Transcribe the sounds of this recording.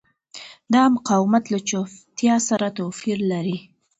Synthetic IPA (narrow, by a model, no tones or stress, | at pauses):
d̪ɑmʊqɑwmat̪lat͡ʃoft̪jɑsaɾat̪ofiɾlaɾi